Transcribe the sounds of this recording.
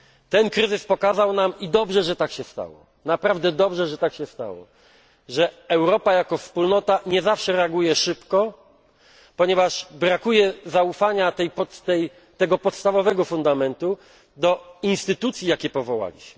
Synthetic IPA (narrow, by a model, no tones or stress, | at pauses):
t̪ɛnkɾɘzɘspɔkazawnamid̪ɔbʐɛʐɛt̪akɕɛst̪a̰wɔ̰ | napɾavd̪ɛd̪ɔbʐɛʐɛt̪akɕɛst̪a̰wɔ̰ | ʐɛɛwɾɔpajakɔfspulnɔt̪aɲɛzafʂɛɾɛaɡujɛʂɘpkɔ | pɔɲɛvaʂbɾakujɛzaufaɲat̪ɛjpɔt̪t̪ɛj | t̪ɛɡɔpɔt̪st̪avɔvɛɡɔfund̪amɛnt̪u | d̪ɔinst̪ɘt̪ut̪sʲjijakʲɛpɔvɔwa̰lʲḭɕmɘ